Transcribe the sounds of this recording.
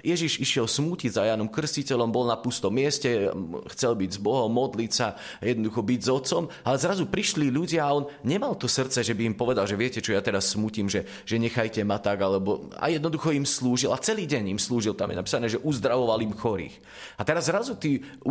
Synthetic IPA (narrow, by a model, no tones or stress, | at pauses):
jɛʒiʒiʃɪɛlsmuːcizajaːnɔmkr̩scicɛʎɔmbɔlnapust̪ɔmːɪɛscɛxt͡sɛlbiɟzbɔɦɔmmːɔd̪licsa | jɛd̪nɔd̪uxɔbiɟzɔt̪t͡sɔmalɛzɾazupɾiʃliʎuɟɪaaɔnɲɛmalt̪ɔsr̩t̪t͡sɛʒɛbiːmpɔʋɛd̪alʒɛʋɪɛcɛt͡ʃɔjat̪ɛɾasːmuːciːmʒɛ | ʒ̥ɛɲɛxajcɛmat̪aɡalɛbɔa̰jɛd̪̚nɔd̪uxɔimsluːʒilat͡sɛliːɟɛɲimsluːʒilt̪amjɛ̰napi̥ːsanɛːʒɛʔuzd̪ɾaʋɔʋalimxɔɾḭːx | at̪ɛɾazːɾazut̪iː | u